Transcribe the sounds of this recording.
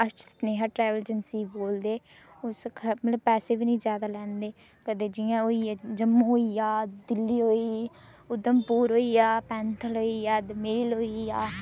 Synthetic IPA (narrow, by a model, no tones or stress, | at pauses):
əst͡ʃsneːɦaːʈɾɛːʋəld͡ʒənsiːboːld̪eː | ʊskʰəmət̪ləbpɛːseːbiːnĩːzjaːd̪aːlɛ̃ːnd̪eː | kəd̪eːd͡ʒɪjãːoːid͡ʒəmːũːɦoːiːaːd̪ɪlːiːɦoːiː | ʊd̪əmpuːɾɦoːiːaːpɛ̃ːnt̪ʰəlɦoːiːaːd̪mɪːlɦoːiːaː